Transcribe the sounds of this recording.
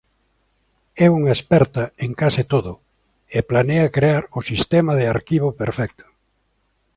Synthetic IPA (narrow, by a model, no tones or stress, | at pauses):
ɛuŋaespɛɾt̪aeŋkasɪt̪oðʊ | eplaneɐkɾeaɾʊsist̪ɛmɐðɪaɾkiβopeɾfɛk̚t̪ʊ̥